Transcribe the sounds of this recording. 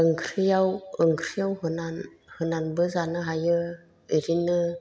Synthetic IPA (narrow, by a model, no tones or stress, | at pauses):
əŋkʰɾijawəŋkʰɾijawɦɯnan | hɯnanbəzanɯɦajə | iɾinə